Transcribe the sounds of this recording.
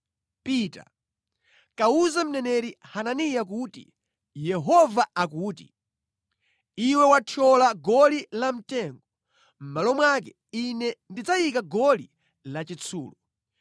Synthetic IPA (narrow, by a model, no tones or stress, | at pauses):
piːta̰ | kauzam̩nɛnɛɾihananijak̬utḭ | jɛɦɔvaakuːtḭ | iwɛwat͡ʃʰɔlaɡɔlilam̩tɛŋɡɔ | m̩malɔmwak̬ɛ | inɛndid͡zajikaɡɔli | lat͡ʃit͡sʰṵːlɔ